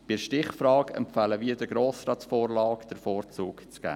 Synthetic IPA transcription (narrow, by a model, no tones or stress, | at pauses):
b̥ɪʃtɪχfɾɑːkɛ̰mpfæːləviədəɡɾoːsɾɑːtfɔːɾlɑːkd̥əɾfɔːɾt͡suːkt͡sɡ̥æ̰ː